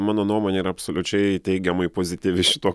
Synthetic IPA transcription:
mɑːnoːnuɔmoːnʲeiːɾɐɐpsoːlʲʊt͡ʃʲɛɪt̪ʲɛɪɡʲɛmɐɪpoːzʲɪt̪ʲiːʋʲɪʃʲɪ̥t̪oː

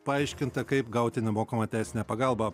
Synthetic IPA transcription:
pɐɐɪʃʲkʲɪnt̪ɐkɐɪpɡɐʊt̪ʲɪnʲɛmoːkɐmɐt̪ʲæˑɪsʲɪnʲæːpɐɡɑlˠbɐ

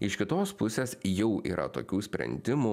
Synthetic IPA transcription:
ɪʃkʲɪt̪oːspʊsʲeːsjɛʊḭːɾʔɐ̰t̪o̰ːkʲuːsʲpʲɾʲɛ̰nʲd̪ʲɪmu

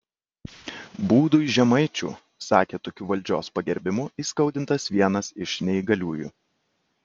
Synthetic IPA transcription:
buːd̪ʊɪʒʲɛmɐɪt͡ʃʲṵː | sɑːkʲeːt̪ɔkʲuːʋɐlʲd͡ʒʲo̰ːspɐɡʲɛɾʲbʲɪmʊiːskɐʊd̪ʲɪnt̪ɐsʋʲiɛnɐsɪʃnʲɛiɡɐlʲuːjṵ

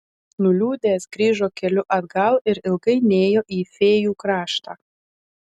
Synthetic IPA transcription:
nʊlʲuːd̪ʲeːsɡɾʲiːʒoːkʲɛlʲʊʔɐd̪ɡɐlˠɪɾɪlˠɡɐɪnʲeːjoːʔiːfʲeːjuːkɾɑːʃt̪ɑː

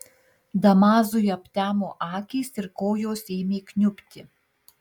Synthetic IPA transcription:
d̪ɐmɑːzʊjɐpʲt̪ʲæːmoːʔɑːkʲɛsɪɾkoːjoːseːmʲeːknʲʊpʲt̪ʲɪ

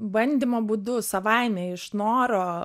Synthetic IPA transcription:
bɐnʲd̪ʲiːmoːbuːd̪ʊsɐʋɐɪmʲɛɪʃnoːɾoː

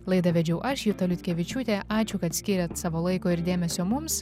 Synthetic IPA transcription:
lˠɐɪd̪ɐʋʲɛd͡ʒʲɛʊʔɐʃjut̪ɐlʲʊt̪ʲkʲeʋʲɪt͡ʃʲuːt̪ʲeːʔɑːt͡ʃʲʊkɐt̪sʲkʲiːɾʲɛt̪sɑːʋoːlˠɐɪkoːɪɾd̪ʲeːmʲɛsʲoːmʊms

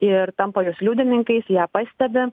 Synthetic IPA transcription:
ɪɾt̪ɐmpɐjʊːslʲuːd̪ʲɪnʲɪŋkɐɪsjæːpɑːsʲt̪ʲɛbʲɪ

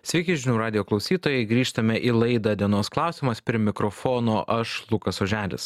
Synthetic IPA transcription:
sʲʋʲɛɪkʲɪʒʲɪnʲuːɾɑːd̪ʲɪjoːklˠɒʊsʲiːt̪oːjɛɪɡɾʲiːʃt̪ɐmʲɛʔiːlˠɐɪd̪ɐd̪ʲiɛnoːsklˠɑˑʊsʲɪmɐspʲɾʲimʲɪkɾɔfoːnoːʔɐʃlˠʊkɐsoːʒʲæːlʲɪ̰s

